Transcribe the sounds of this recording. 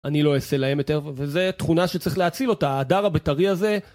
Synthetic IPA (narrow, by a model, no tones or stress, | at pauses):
anilo̞ese̞lahe̞mjot̪eʁvezet̪χunaʃet͡sʁiχleat͡silo̞taːdaʁabetaʁiaze̞